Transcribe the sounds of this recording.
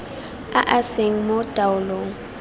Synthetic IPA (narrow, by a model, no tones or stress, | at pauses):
aʔaseŋ̩mod̥ʼaʊloːŋ̩